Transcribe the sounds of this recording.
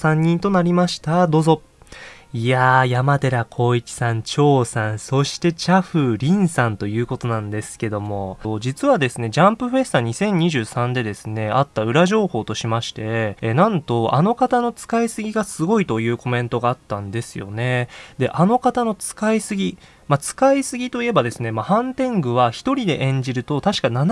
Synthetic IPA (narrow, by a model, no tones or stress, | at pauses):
sãɲ̟ːĩnt̪o̞naɾʲimaɕi̥t̪ad̪o̞ːzo̞ | ijajamat̪e̞ɾakʰo̞ːikʲi̥sãɲt͡ɕo̞ːsãñso̞ɕi̥t̪e̞t͡ɕaɸɯ̟ɾʲĩɰ̃sãnt̪o̞jɯ̟ːko̞t̪o̞nãnd̪e̞sɨ̥ke̞d̪o̞mo̞d͡ʑit͡sɨβad̪e̞sɨne̞d͡ʑãmpɯ̟ɸe̞sɨ̥t̪aɲ̟isẽ̞ɲ̟ːiʑɨːsãnd̪e̞d̪e̞sɨne̞at̪ːaɯ̟ɾaʑo̞ːho̞ːt̪o̞ɕimaɕi̥t̪e̞nãnt̪o̞ano̞kat̪ano̞t͡sɨ̥kaisɨɡʲiɡasɨɡo̞it̪o̞jɯ̟ːko̞mẽ̞nt̪o̞ɡaːt̪ːãnd̪e̞sɨjo̞̰ne̞d̪e̞ʔano̞kat̪ano̞t͡sɨ̥kaisɨɡʲi | mat͡sɨ̥kaisɨɡʲit̪o̞ie̞bad̪e̞sɨne̞mahãnt̪ẽ̞ŋɡɯ̟β̞açi̥t̪o̞ɾʲid̪e̞̰ʔẽ̞ɲ̟d͡ʑiɾɯ̟t̪o̞t̪aɕi̥kanan